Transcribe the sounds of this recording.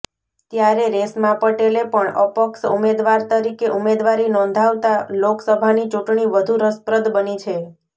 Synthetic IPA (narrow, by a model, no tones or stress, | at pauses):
t̪jaɾeɾesmãpəʈelepəɳə̰pəksṵmed̪ʋaɾt̪əɾikeʔumed̪ʋaɾinɔ̃nd̪ʱaʋt̪aloksəbʱanit͡ʃuʈɳiʋəd̪ʱuɾəspɾəd̪bənit͡ʃʰe